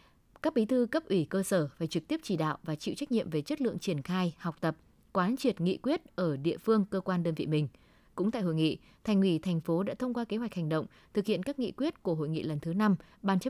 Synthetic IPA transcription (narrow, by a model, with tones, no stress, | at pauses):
kaː˦˥k̚ɓi˨˦t̪ʰɨ˧kə˦˥p̚ʔwi˧˩kəː˧səː˧˩vaː˨˩t͡ɕɨ˨˩k̚t̪i˦˥p̚t͡ɕi˧˩ɗa̰ː˧˨wʔvaː˨˩t͡ɕḭ˧˨wt͡ɕa˦˥jk̚nḭ˧˨əmve˨˩t͡ɕə˦˥t̚lɨ̰˧˨əŋt͡ɕi˧˩ənxaː˧jha˨˩wk͡p̚t̪ə˨˩p̚ | kwaː˨˦nt͡ɕwi˨˩ət̚ŋḭ˧˨kwi˦˥ət̚ʔəː˧˩ɗḭ˧˨əfɨ˧əŋkəː˧kwaː˧nɗəː˧nvḭ˧˨mï˨˩ŋ̟ | kʊ̰˧˥ŋ͡mt̪a̰ː˧˨jɦo̰˧˨jŋḭ˧˨ | t̪ʰɛ˨˩ŋŋwi˧˩t̪ʰɛ˨˩ŋ̟fo˨˦ɗa̰ː˧˥t̪ʰə˧wŋ͡mkwaː˧ke˨˦ɦwk̟̚ha˨˩ŋ̟ɗə̰˧˨wŋ͡m | t̪ʰɨ˨˩k̚hḭ˧˨ənkaː˦˥k̚ŋḭ˧˨kwi˦˥ət̚ku˧˩əɦo̰˧˨jŋḭ˧˨lə˨˩nt̪ʰɨ˨˦na˧m | ɓaː˧˩nt͡ɕə˦˥